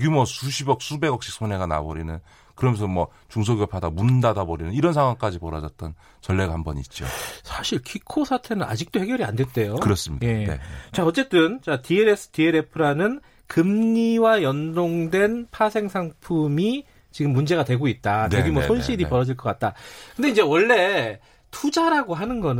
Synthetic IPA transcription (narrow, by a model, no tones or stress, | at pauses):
ɡjumwʌsʰuɕʰibʌk̚sʰube̞ɡʌk̚ɕ͈ʰi̥k̚sʰone̞ɡana̰bʌɾinɯn | kɯɾʌmjʌnsʰʌmwʌ | t͡ɕuŋsʰoɡjopʰadamundadabʌɾinɯniɾʌnsʰaŋwaŋk͈ad͡ʑipʌɾʌd͡ʑʌt̚t͈ʌn | t͡ɕʌɭːeɡahambʌnit̚t͡ɕ͈io̰sʰaɕʰiɭkʰikʰosʰatʰe̞nɯna̰d͡ʑik̚t͈ohe̞ɡjʌɾia̰ndwe̞nt͈e̞jokɯɾʌs͈ɯmɲidjae̞ḛt͡ɕaʌt͡ɕ͈e̞t͈ɯnt͡ɕtieɾesʰɯ̥tieɾe̞pʰɯɾanɯn | kɯmɲiwajʌndoŋdwe̞npʰasʰe̞ŋsʰaŋpʰumi | t͡ɕiɡɯmːund͡ʑe̞ɣatwe̞ɡoit̚t͈adeɡimwʌsʰonɕʰiɾipʌɾʌd͡ʑiɭk͈ʌk͈at̚t͈akɯnde̞ind͡ʑe̞wʌɭːe̞ | tud͡ʑaɾaɡoɦanɯnɡʌn